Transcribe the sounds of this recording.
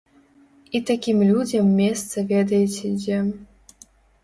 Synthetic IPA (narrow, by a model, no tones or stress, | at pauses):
it̪akʲimlʲud͡zʲɐmːʲɛst̪sɐvʲɛd̪ɐjɛt͡sʲɛd͡zʲɛ